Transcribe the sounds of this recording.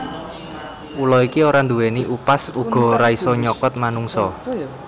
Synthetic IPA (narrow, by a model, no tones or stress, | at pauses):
ʔulɔikioɾand̪uwɛniʔupasuɡ̥ɔ̤ɾaisɔɲɔkɔt̪̚manuŋsɔ